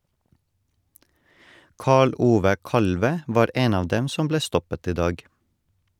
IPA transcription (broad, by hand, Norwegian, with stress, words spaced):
ˈkɑːɭ ˈʔuːʋə ˈkɑlʋə ˈʋɑːɾ ˈeːn ˈɑːʋ ˈdɛm ˈsʊm ˈbleː ˈstɔpət ˈiː ˈdɑːɡ